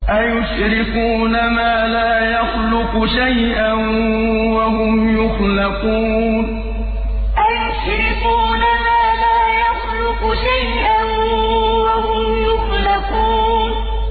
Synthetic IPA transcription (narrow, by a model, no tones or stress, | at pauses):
ʔajʊʃ | ɾɪkuːnamaːlaːjaxlʊqʊʃajʔan | waɦʊmjʊxlaquːn | ʔajʊʃɾɪkuːnamaːlaːjaxlʊqʊʃajʔanwahʊmjʊxlaquːn